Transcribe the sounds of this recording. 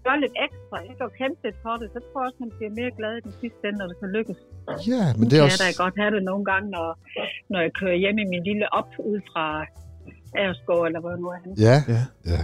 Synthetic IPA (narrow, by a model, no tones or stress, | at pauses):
ɡ̥ɶɐle̝d̥eɡ̥sd̥ʁɑjeɡ̥ɒːkʰʁem̥ed̥̚pʰɒ̽ɾ̥e̝sɒ̽t͡sʰʁo̝ɐɒ̽shænb̥liɐme̝ːɐɡ̥lɛð̞ˠid̥ensisd̥en̰nɒd̥e̝sʰæløɡ̥əsjæmnd̥eæɾ̥æɡ̥ɒ̽d̥hæɾ̥e̝no̝ːn̩ɡ̥ɑ̈ŋ̰nɒnɒjɑ̈kʰøːɐjem̰iminliləʔɒ̽b̥uð̞̰ˠfʁɑ̈ | ʔæɐsɡ̥ɔ̰ːelɐʋɒnuhænææ